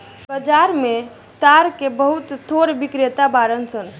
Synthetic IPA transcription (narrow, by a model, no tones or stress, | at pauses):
bəd͡ʒaɾme | t̪aɾkebəɦut̪ːʰoɾbikɾet̪abaɾənsən